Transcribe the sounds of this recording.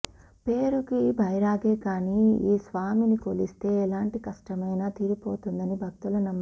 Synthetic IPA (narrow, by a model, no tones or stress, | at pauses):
pe̞ːɾukibʱɐjɾaːɡe̞ːkaːniːiːsʋaːminikolist̪e̞ːɛlaːɳʈikɐʂʈɐmɐjnaːt̪iːɾipo̞ːt̪und̪ɐnibʱɐk̚t̪ulɐnɐmːɐ